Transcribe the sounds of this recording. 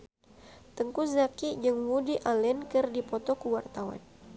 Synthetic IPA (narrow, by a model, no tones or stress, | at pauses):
t̪əŋkuzakid͡ʒɨŋmudiʔalɛnkɨrdipɔt̪okuwart̪awa̰n